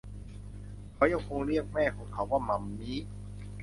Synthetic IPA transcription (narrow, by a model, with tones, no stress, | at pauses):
kʰa˨˥˩wja˧ŋkʰo˧ŋɾi˥˩ək̚mɛː˥˩kʰɔː˨˦ŋkʰa˨˩˦waː˥˩ma˨˧˦mːiː˦˥